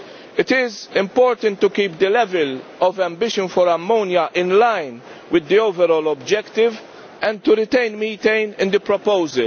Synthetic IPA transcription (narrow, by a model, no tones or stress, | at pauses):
ɪt̪ɪzɪ̃mpɔːɾt̪ə̃nt̪ːukiːp̚d̪əlɛvɛlɔvɛ̃mbɪʃɔ̃nfɔɾɐmːoːnjɐʔɪ̃nlajn | wɪd̪ːioːvɛɾɔːlɔbd͡ʒɛkt̪ɪv | ʔɛ̃nd̪̚t̪uɾɪt̪ẽɪnmiːt̪ẽɪnɪ̃nd̪əpɾɔpoʊzə̰l